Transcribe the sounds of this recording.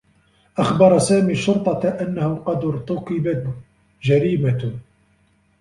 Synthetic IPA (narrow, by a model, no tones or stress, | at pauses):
ʔaxbɑɾˤɑsaːmiːʃʊɾt̪ˤɑʔanːahʊqɑd̪ʊɾt̪ʊkɪba | ʒaɾiːma